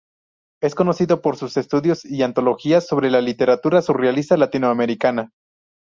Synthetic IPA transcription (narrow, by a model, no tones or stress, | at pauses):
e̞sko̞no̞siðo̞po̞ɾsuse̞st̪uðjo̞siant̪o̞lo̞xiaso̞β̞ɾe̞lalit̪e̞ɾat̪uɾasurealist̪alat̪inoame̞ɾikana